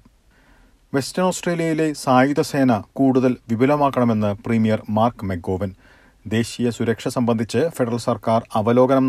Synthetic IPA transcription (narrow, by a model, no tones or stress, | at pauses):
ʋe̞stɐnoːsʈreːlijɐjile̞saːjud̪ɐse̞ːnɐkuːɽuðɐlʋibʱilɐmaːkːɐɳɐme̞nːɨpriːmijɐrmaːrkme̞ɡo̞ːʋɐn | d̪e̞ːɕijɐsuɾɐkʂɐsɐmbɐnd̪ʱit͡ɕːɨfeɖɐrɐlsɐrkaːrɐʋɐlo̞ːɡɐnɐm